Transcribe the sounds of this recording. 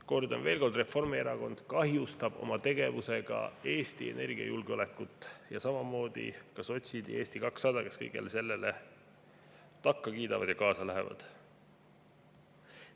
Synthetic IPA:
ko̞rd̪ɑ̰nve̞ːlko̞rd̪re̞fo̞rmieɾɑko̞nd̪̥kɑɦjust̪ɑb̥o̞̰mɑt̪e̞ɡ̥e̞vuse̞ɡ̥ɑ̰e̞ːst̪ie̞̰nʔe̞rɡiɑ̰julɡeole̞kːˑut̪ːˑjɑsɑmɑmo̞ːd̪̥ḭkɑso̞t̪ʲsid̪ie̞ːst̪ikɑksːɑd̪ɑke̞skɤjɡ̥ḛlese̞lːe̞le̞ | t̪ɑkːɑkiːd̪ɑvɑd̪̥jɑkɑːsɑlæɦevɑ̰d̪̥

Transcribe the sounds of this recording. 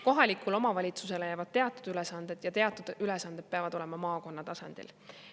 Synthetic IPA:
ko̞ɦɑlikːˑulo̞mɑvɑlʲit̪suse̞lejɑvɑd̪̥̚t̪e̞ɑt̪ːˑu̥d̪̥ylesɑnd̪̥e̞d̪̥jɑt̪e̞ɑt̪ːˑud̪ylesɑnd̪e̥peɑvɑd̪̥o̞le̞mɑmɑːko̞nːɑt̪ɑsɑnd̪̥ḭl

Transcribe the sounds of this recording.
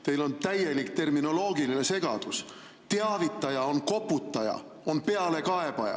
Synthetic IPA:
t̪e̞jlo̞nt̪æje̞likt̪e̞rmino̞lo̞ːɡiline̞se̞ɡ̥ɑd̪̥us | t̪e̞ɑvit̪ˑːɑjɑo̞nko̞pːˑut̪ːˑɑjɑ̰ | o̞npe̞ɑle̞kɑe̞b̥ɑjɑ̰

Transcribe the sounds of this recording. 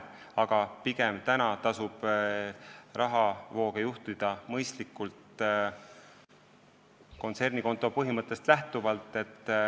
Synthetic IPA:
ɑɡ̥ɑpiɡ̥emt̪ænɑt̪ɑsub̥ | rʔɑɦɑvo̞ːɡ̥ejuht̪id̪̥ɑmɤjst̪likːˑult̪ | ko̞nt̪se̞rniko̞nt̪ːˑo̞pɤɦimɤt̪ˑːe̞st̪læht̪uvɑlt̪ːˑe̞t̪ːˑ

